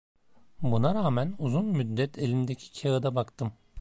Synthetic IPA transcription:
bunaɾaːmænuzunmyd̪ːɛt̪ʰelʲimd̪ecʰi̥cʰeɯd̪abakt̪ʰɯm

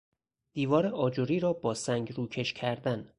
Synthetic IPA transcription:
d̪̥iːvɒːɾeʔɒːd͡ʒoɾiːɾɒːbɒːsæŋɟɾuːcʰe̞ʃcʰæɾd̪æn

